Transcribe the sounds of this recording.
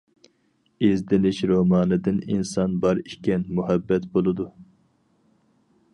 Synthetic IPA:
ezd̪ɪlɪʃɾomɑːnɨd̪ɨninsɑnbɑɾikʲɛnmuɦɛbːɛt̪bolˠɨd̪u

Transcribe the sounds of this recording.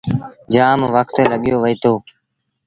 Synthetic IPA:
d͡ʒaːmʋəkt̪eːləɠɪjoːʋəiːt̪ʰoː

